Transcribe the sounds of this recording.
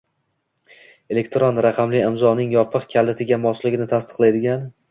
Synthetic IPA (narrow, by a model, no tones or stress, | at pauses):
e̞le̞kʲt̪ɾonɾaqʰɑmlɪɪmzɒnɪŋjɒpʰɨqkʲʰalːɪt̪ʰɪɡʲamɒslɪɡʲɪnɪt̪ʰast̪ɨ̥qlˠajd̪ɪɡʲan